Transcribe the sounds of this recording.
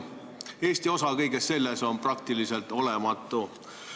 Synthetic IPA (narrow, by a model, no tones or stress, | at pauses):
e̞ːsʲt̪io̞sɑkɤ̞jɡ̥e̞sːe̞lːeso̞nprɑk̚t̪iliselt̪o̞le̞mɑt̪ːˑu